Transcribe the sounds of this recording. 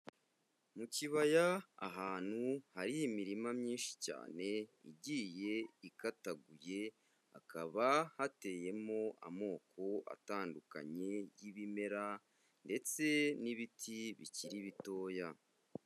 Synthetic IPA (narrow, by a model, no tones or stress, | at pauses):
muciβaja̰ːɦaːn̥huhaɾijimiɾimamɲiːnʃi̥ca̰ːne̞ḭɟiːje̞ikataɡuje̞ | a̰kaβahate̞je̞mo̞ʔa̰mo̞ːkʰo̞ʔa̰taːnduka̰ɲe̞jiβime̞ɾa | nde̞t͡se̞niβitʰiβḭciɾiβito̞ːja